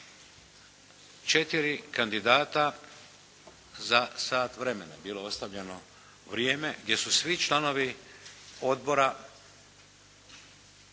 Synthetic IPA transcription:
t͡ʃe̞t̪iɾikand̪id̪aːt̪a | zasaːt̪ʋɾe̞me̞na̰biːlo̞o̞st̪aʋʎeno̞ | ʋɾje̞ːme̞ɡd̪je̞susʋit͡ʃlˠano̞ʋi | o̞d̪̚bo̞ɾa

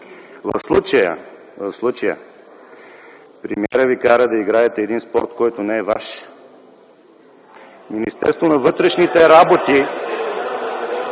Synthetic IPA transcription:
vɐ̰fslˠut͡ʃəjə̰ | vɐfslˠut͡ʃɐjə̰ | pɾɛmiɛɾəvikaɾəd̪ɐiɡɾaɛt̪ɛːd̪inspɔɾt̪kɔjt̪onɛɛva̰ʃ | minist̪ɛ̰ɾst̪vonɐvɤt̪ɾɛʃnit̪ɛɾabot̪i

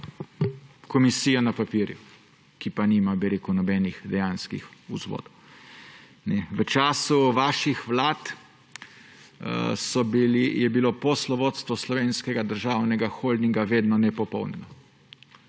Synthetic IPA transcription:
kɔmisiːjanapapiːɾjṵ | kipaniːmabiɾeːkunɔbɛnixd̪ɛjanskḭxuzʋo̰ːd̪ɔw | nɛʋət͡ʃaːsuʋaːʃixʋlaːt̪ | sɔbilijɛbiloposlɔʋoːt̪st̪ʋɔslɔʋeːnskɛɡad̪əɾʒaːwnɛɡaxoːld̪niŋɡaʋeːd̪nɔnɛpɔpɔwnɛnɔ

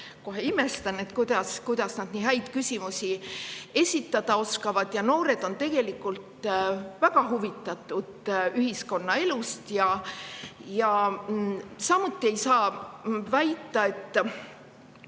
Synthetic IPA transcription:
ko̞ɦe̞ime̞st̪ɑne̞t̪kujd̪̥ɑskujd̪̥ɑsnɑd̪niːɦæjd̪̥kysʲimusie̞sʲit̪ːˑɑd̪̥ɑo̞skɑvɑd̪̥jɑno̞ːɾe̞d̪̥o̞nt̪e̞ɡ̥e̞likːˑult̪væɡ̥ɑɦuvit̪ːˑɑt̪ːˑud̪̥yhisko̞nːɑe̞lust̪jɑ | jɑ | sɑmut̪ːˑie̞jsɑːvæjt̪ːˑɑe̞t̪ːˑ

